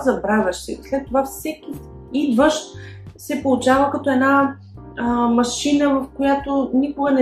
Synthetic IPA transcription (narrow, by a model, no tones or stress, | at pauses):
zɐbɾavʲɐʃsḭslɛt̪ːovafsɛkʲi | id̪vəʃt̪ | sɛpolˠut͡ʃavəkɐt̪oɛdna | mɐʃinəvɐfkojat̪onikoɡənɛ